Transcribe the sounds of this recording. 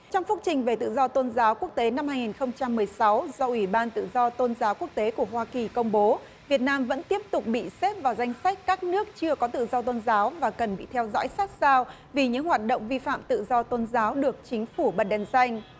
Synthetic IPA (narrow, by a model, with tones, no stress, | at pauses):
t͡ɕɔ˧wŋ͡mfʊ˦˥t͡ɕï˨˩ŋ̟ve˨˩t̪ɨ̰˧˨zɔ˧t̪o˧nzaː˨˦wku˦˥ək̚t̪e˨˦na˧mhaː˧jŋi˨˩nxə˧wŋ͡mt͡ɕa˧mːɨ˨˩əjsa˨˦wzɔ˧ʔwi˧˩ɓaː˧nt̪ɨ̰˧˨zɔ˧t̪o˧nzaː˨˦wku˦˥ək̚t̪e˨˦ku˧˩əhwaː˧ki˨˩kə˧wŋ͡mɓo˨˦ | vi˨˩ət̚naː˧mvə̰˧˥nt̪i˦˥əp̚t̪ʊ˨˩k͡p̚ɓḭ˧˨se˦˥p̚vaː˨˩wza˧jŋ̟sa˦˥jk̟̚kaː˦˥k̚nɨ˦˥ək̚t͡ɕɨ˧əkɔ˨˦t̪ɨ̰˧˨zɔ˧t̪o˧nzaː˨˦wvaː˨˩kə˨˩nɓḭ˧˨t̪ʰɛ˧wzɔ̰˧˥jsa˦˥t̚zaː˧w | vi˨˩ɲɨ̰˧˥ŋhwaː˨˩t̚ɗo̰˧˨wŋ͡mvi˧fa̰ː˧˨mt̪ɨ̰˧˨zɔ˧t̪o˧nzaː˨˦wɗɨ˨˩ək̚t͡ɕï˨˦ŋ̟fu˧˩ɓə˨˩n̚ɗɛ˨˩nsa˧jŋ̟